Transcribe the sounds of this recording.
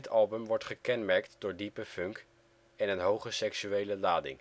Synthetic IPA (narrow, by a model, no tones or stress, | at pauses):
tɑlˠbəmʋɔɹtχəkɛnmɛɹktdʊːɹdipəfɵŋk | ɛnənɦowχəsɛksyejləlaːdɪ̰ŋ